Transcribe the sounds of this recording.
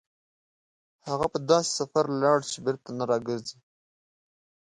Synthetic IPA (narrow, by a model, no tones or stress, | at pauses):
haɣapəd̪ɑːse̥safaɾlɑɽt͡ʃebɪɾt̪anaɾɑɡəɾzi